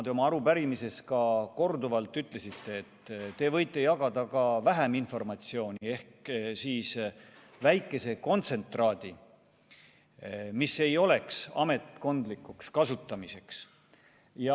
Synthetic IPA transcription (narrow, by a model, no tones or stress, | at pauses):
d̪eo̞mɑɑɾupæɾimise̞skɑko̞rd̪uvɑlt̪ˑːyt̪ːˑle̞sit̪ːe̞ːt̪ːt̪e̞vɤjt̪ːˑe̞jɑɡ̥ɑd̪̥ɑkɑvæɦæminfo̞rmɑt̪sio̞ːnʲie̞hksiːs | væjkːˑe̞se̞ko̞nt̪se̞nt̪ˑrɑːd̪̥i | misːe̞jo̞le̞ksɑ̰me̞t̪ˑko̞nd̪likːukskɑsut̪ːˑɑmise̞ks | jɑ